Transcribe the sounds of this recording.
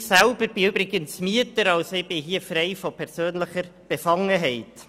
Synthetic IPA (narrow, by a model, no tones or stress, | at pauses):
sælb̥əɾb̥ɪøbɾɪɡənsmiətəɾɑlsɪb̥ɪɦiəfreɪfɔpʰɛʁsøːnləχəɾb̥ɛfɑŋːəɦɛɪt